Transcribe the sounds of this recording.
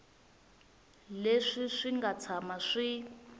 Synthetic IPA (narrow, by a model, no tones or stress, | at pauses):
leʂiʂiŋɡat͡sʰamaʂi